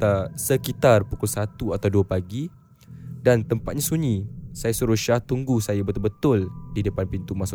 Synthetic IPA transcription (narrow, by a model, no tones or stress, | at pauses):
asəkit̪arpukʊlsat̪uat̪awduapaɡi | dant̪əmpat̪̚ɲasuɲĩsajasuɾuʃaht̪uŋɡusajabət̪ʊlbət̪ʊldidəpanpint̪umãsʊ